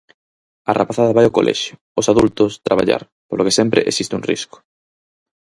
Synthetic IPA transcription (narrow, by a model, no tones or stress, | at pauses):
arʔapaθaðaβajokolʔɛ̰ʃjʊ | osaðult̪ost̪ɾaβa̰ʎa̰ɾ | polʔokesempɾḛʔesist̪ɪuŋrḭskʊ̥